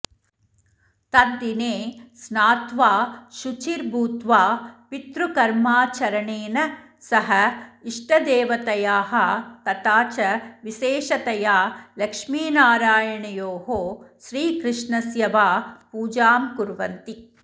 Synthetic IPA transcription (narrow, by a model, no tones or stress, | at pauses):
t̪ɐnd̪ineːsnaːt̪ʋaːʃut͡ʃiɾbʱuːt̪ʋaːpit̪ɾukɐɾmaːt͡ʃɐɾɐɳeːnɐ | sɐɦɐiʂʈɐd̪eːʋɐt̪ɐjaːɦɐt̪ɐt̪aːt͡ʃɐʋiʃeːʃɐt̪ɐjaːlɐkʂmiːnaːɾaːjɐɳɐjoːɦoːʃɾiːkɾɪʂɳɐsjɐʋaːpuːd͡ʒaːmkuɾʋɐnt̪i